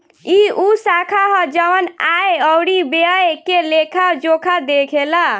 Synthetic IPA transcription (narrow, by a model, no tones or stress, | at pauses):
iusakʰaɦəd͡ʒəwənaeəwɽibeəjekelekʰad͡ʒokʰad̪ekʰela